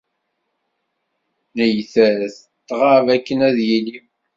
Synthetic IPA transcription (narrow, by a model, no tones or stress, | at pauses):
nəjθæθ | t̪ːʁavækːənæðjili